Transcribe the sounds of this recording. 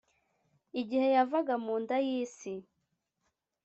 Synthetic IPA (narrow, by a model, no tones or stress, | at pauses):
iɟihe̞javaɡamuːndajiːsi